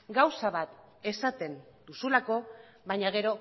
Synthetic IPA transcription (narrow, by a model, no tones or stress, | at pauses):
ɡawsaβ̞at̪ | e̞sat̪e̞nd̪usulako̞ | βaɲaɣ̞e̞ɾo̞